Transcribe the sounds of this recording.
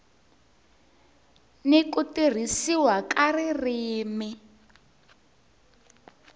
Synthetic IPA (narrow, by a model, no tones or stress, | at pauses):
nekutir̤isiwakaririːmi